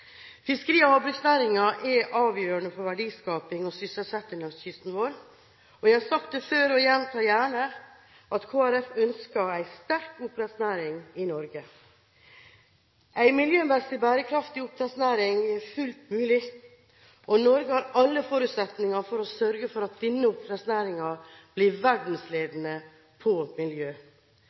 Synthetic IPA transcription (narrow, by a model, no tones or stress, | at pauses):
fɪskəɾiːɔhɑbɾʏksnæːɾɪŋɑʔɛʔɑːʋjøːɾəɳəfɔɾʋæɖiːskɑːpɪŋɔsʏsəlsɛt̪ːɪŋɑçɪst̪n̩ʋoːɾ | ɔjæɪhɑsɑkt̪əføːɾɔjɛnt̪ʰɑːjæːɳə | ʔɑt̪kʰoːæɾɛfœnskɑæɪst̪æɾkʊpɾɛt̪snæːɾɪŋɪnɔɾɡə | ʔæɪmɪljøːmɛsəbæːɾəkʰɾɑft̪ɪʊp̪̚ɾɛsnæːɾɪŋæɾfʉlt̪mʉːlɪ | ʔɔnɔɾɡəhɑɾɑlːəfɔɾʉːt̪sɛt̪nɪŋɑfɔɾɔsœɾɡəfɔɾɑt̪̚d̪ɪnːəʊpɾɛsnæːɾɪŋɑb̥lɪɾʋæɖn̩sleːd̪nə | pʰɔmɪljøː